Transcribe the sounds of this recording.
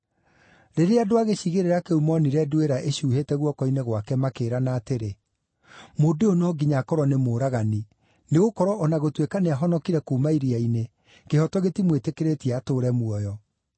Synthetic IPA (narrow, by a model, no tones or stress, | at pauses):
ɾeɾeadoaɣeɕiɣeɾeɾakeumɔniɾɛdueɾaʔeɕuːhetɛɣwɔkɔineɣwakɛmakeːɾanaːteɾe | modeonɔɡiɲakɔɾwɔnemoɾaɣani | neɣokɔɾɔʔɔnaɣotwekaneaɦɔnɔkiɾɛkomaiɾiaine | kehɔtɔɣetimwetekeɾetiaːtoːɾɛmwɔjɔ